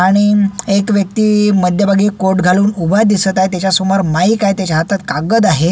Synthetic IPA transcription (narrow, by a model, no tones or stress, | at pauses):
aɽ̃iekʋjək̚t̪iːməd̪ʱjəbʱaɡiːkoʈɡʱaluːnubʱad̪isət̪aɦjt̪jat͡ɕjasumaɾmaikajt̪jat͡ɕaɦat̪at̪̚kaɡəd̪aɦe